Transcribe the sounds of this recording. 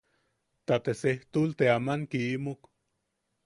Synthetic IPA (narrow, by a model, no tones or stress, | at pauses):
t̪at̪eseht̪ult̪eamaŋkiimok